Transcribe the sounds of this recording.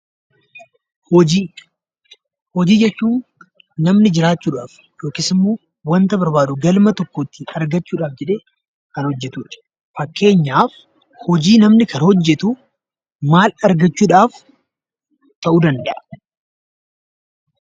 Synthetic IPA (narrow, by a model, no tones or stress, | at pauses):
hɔd͡ʒiː | hɔd͡ʒiːd͡ʒɛt͡ʃːuːnː | ɐmnɪd͡ʒɪɾaːt͡ʃːuːᶑaːf | jo̞ːkɪːsɪmːoː | wɐnt̪ɐbɐɾbaːᶑʊɡɐlmɐt̪ɔkːoːt̪ːɪɐɾɡɐt͡ʃːuːᶑaːfd͡ʒɛᶑeː | kɐnhɔd͡ʒːɛt̪uːᶑɐ̥ | fɐkːe̞ːɲːaːf | hɔd͡ʒiːnɐmnɪkʰɐnhɔd͡ʒːɛt̪u | maːlɐɾɡɐt͡ʃːuːᶑaːf | t̪ɐʔuːd̪ɐnd̪ɐʔɐ̥